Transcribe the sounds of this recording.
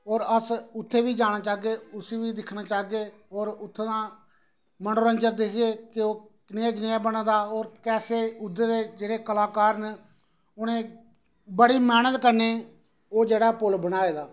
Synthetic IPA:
ɔːɾəsʊt̪ʰːeːʋiːd͡ʒaːɽ̃ãːt͡ʃaːɡeːʊsiːʋiːd̪ɪkʰnaːt͡ʃaːɡeː | ɔːɾʊt̪ʰːeːd̪ãː | mənoːɾənd͡ʒəɾd̪ekʰɡeːkɪoː | neaːd͡ʒnɪaːbənãːd̪aːɔːɾkɛːseːʊd̪ːeːd̪eːd͡ʒeːɽeːkəlaːkaːɾn | ʊnẽː | bəɽiːmɛːnət̪kəɾneː | oːd͡ʒeːɽaːpʊlbənaːeːd̪aː

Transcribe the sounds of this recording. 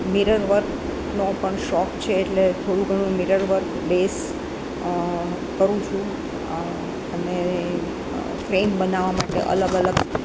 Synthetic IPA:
miɾəɾʋəɾk | nopəɳʃɔkt͡ʃʰeːʈlet̪ʰoɽ̃ũɡʱəɽ̃ũmiɾəɾʋəɾk | bes | kəɾũt͡ʃʰũ | əne | fɾembənaʋamaʈḛʔə̰ləɡələɡ

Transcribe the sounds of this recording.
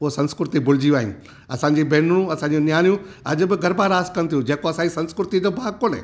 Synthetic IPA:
ʊɦosɐ̃nskɾʊt̪ibʊl̤ɪd͡ʑiaːɦɪ̃n | ɐsãːɲd͡ʑiːbeːnɽ̃ũɐsãːɲd͡ʑũnjaːnijũɐʄʊ̆bɪɡɐɾbaːɾaːskɐnɪt̪ʰiũd͡ʑeːkoɐsãːɲd͡ʑisɐ̃nskʊɾʊt̪id̪obʱaːkoːnḛː

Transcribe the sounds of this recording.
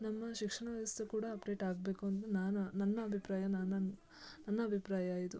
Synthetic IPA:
nɐmːɐʃikʂɐɳɐʋɐʋɐst̪ʰekuːɽɐːpɖe̞ːʈaːɡ̚be̞ːkuɐnt̪unaːnunɐnːɐɐbʱipɾaːjɐnaːnɐn | nɐnːɐːbʱipɾaːjɐaːjid̪u

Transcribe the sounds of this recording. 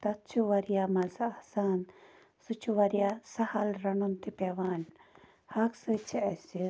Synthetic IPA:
t̪ɐt̪̚t͡ʃʰuʋɐɾijaːmɐlsaɐsaːn | sut͡ʃʰuʋɐɾijasɐhɐlɾɐnunt̪ipeʋaːn | hɐksɨt͡ʃʰiɐsi

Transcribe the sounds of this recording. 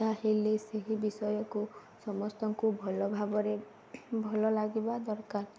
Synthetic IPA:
aɦileseɦibisɔjɔku | sɔmɔst̪ɔŋkubʱɔlɔbʱabɔɾe | bʱɔlɔlaɡibad̪ɔɾkaɾ

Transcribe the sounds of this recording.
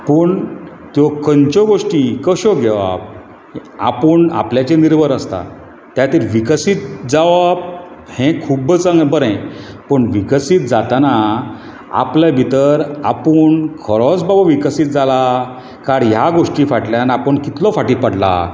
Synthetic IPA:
pəɳ | t̪jɔkənt͡ɕɔɡoʂʈikəɕɔɡeʋa̰b̚ | a̰pəɳa̰pljat͡ɕeniɾʋəɾəst̪a̰ | t̪jat̪iːɾʋikəsiːt̪̚d͡zaʋab̚ | hɛ̃kʰubət͡sãŋɡbəɾɛ̃pəɳʋikəsit̪̚d͡zat̪ana | a̰plabʱit̪əɾa̰puːɳkʰəɾɔt͡sbabaʋikəsiːt̪̚d͡zala | kaɽjaɡoʂʈifaʈljanapəɳkit̪lɔfaʈipəɽla̰

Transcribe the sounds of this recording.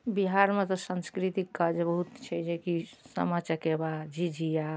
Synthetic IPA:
biɦaɾmet̪ɔsə̃nskɾit̪ikːad͡ʒbəɦut̪t͡ʃʰɛd͡ʒekisə̰mat͡ʃakebad͡ʒid͡ʒija

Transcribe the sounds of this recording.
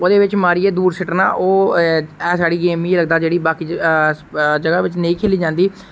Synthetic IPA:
oːd̪eːʋɪt͡ʃmaːɾiːeːd̪uːɾsɪʈna̰ːʔoːɛ̃ːsaːɽiːɡeːmiːeːləɡd̪aːd͡ʒeːɽiːbaːkiː | d͡ʒəɡaːʋɪt͡ʃnəĩːkʰeːliːd͡ʒãːnd̪iː

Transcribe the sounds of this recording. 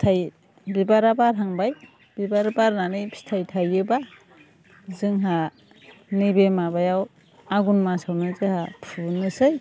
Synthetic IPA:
tʰaj | bibaɾabaɾɦaŋbaj | b̥ibaɾabaɾnanɯjpʰi̥tʰajtʰajɯba | zɯŋɦa | nibemabajaw | aɡunmasawnɯzɯhapʰunɯsɯj

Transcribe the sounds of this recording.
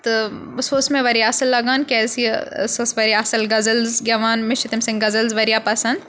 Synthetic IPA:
t̪ | sosmẽʋɐɾijaːsɐlːɐɡaːnkɛːsisosʋɐɾijaːsɐlɡɐzɐlzɡʲɐʋaːnmɪʃt͡ʃit̪imsɪ̃ŋɡɡɐzɐlzʋɐɾijaːpɐsɐ̃nd̪

